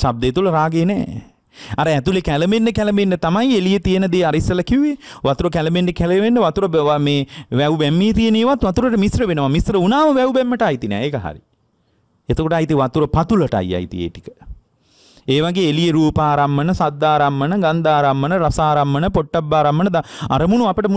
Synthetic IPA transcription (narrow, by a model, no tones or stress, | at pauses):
ʃab̚d̪eːt̪uləɾaːɡeːnɛ̰ː | aɾəɛt̪ulekæləmenːəkɛləmenːət̪amajielijet̪ijənəd̪eːaɾisːɐlɐkiueʋat̪uɾəkæləmenːekæləmenːəʋat̪uɾəbameːʋɛubɛmːiːt̪ieneːʋat̪ʋat̪uɾəʈəmisɾəʋenəʋamisɾəunaːʋəʋɛubɛmːəʈəajt̪inɛ̰ːeːkəɦa̰ɾḭ | et̪əkoʈəajt̪iʋat̪uɾəpat̪uləʈa̰ja̰jt̪ḭjḛːʈikə̥ | eːʋaɡeːelijeɾuːpaːɾamːənəsad̪ːaːɾamːənəɡand̪aːɾamːənəɾasaːɾamːənəpoʈːabːaːɾamːənəd̪aa̰ɾəmunuapəʈəmu